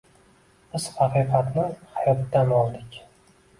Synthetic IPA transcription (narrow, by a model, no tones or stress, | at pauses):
b̥ɪz̥hɑqʰɨjqɑt̪nɪhajɒt̪ːanɒlˠd̪ɪkʲ